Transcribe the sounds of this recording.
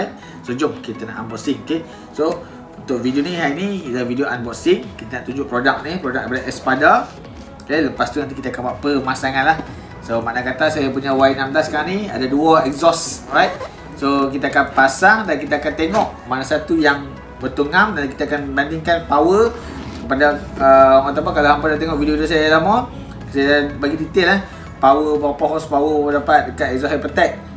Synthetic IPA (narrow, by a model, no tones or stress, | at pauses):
ajt̪̚ | sud͡ʒʊʔkit̪əna̰ʔanbɔʔsɪŋoke | so | unt̪ʊʔ̚vidioniɦainidavidioʔanbɔʔsiŋkit̪anaʔt̪uɲd͡ʒʊʔpɾodak̚nipɾodak̚padaʔɛspada | aləpast̪unant̪ikit̪əakanbaʔpəmasaŋãnlah | somaʔnakat̪asajap̬uɲawajinamdasə̥kaɾaŋnia̰daduaɛkzɔsɹajt̪̚ | sok̬it̪aakanpasaŋdankit̪aakant̪eŋɔʔmanasat̪ujaŋ | bət̪uŋamdankit̪akanbandiŋkanpawə | kəpadaəaŋɔt̪̬apakalahampadat̪eŋɔʔvidioidios̬ajdalamɔ | sajdabaɡit̪it̪ellah | pawəpawəpaɦɔspawəpədapat̪̚dəkat̪ɛkzɔsapət̪ɛk̚